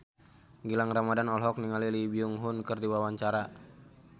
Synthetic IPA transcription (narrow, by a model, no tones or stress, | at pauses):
ɡilaŋramadanɔlɦɔk̚niŋalilibiuŋɦʊnkɨrdiwawaɲt͡ʃaɾa